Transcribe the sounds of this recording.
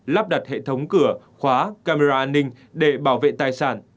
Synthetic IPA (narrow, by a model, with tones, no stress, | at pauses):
laː˦˥p̚ɗa˨˩t̚hḛ˧˨t̪ʰə˨˦wŋ͡mkɨ˧˩ə | xwaː˨˦kaː˧me˧zaː˧ʔaː˧nːï˧ŋ̟ | ɗe˧˩ɓaː˧˩wvḛ˧˨t̪aː˧˩jsaː˧˩n